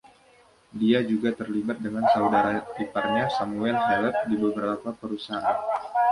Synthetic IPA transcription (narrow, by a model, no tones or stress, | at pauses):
diad͡ʒuɡat̪ərlibat̪̚dəŋansaudaɾaiparɲasamuɛlɦalət̪̚dibəbəɾapapəɾusaɦa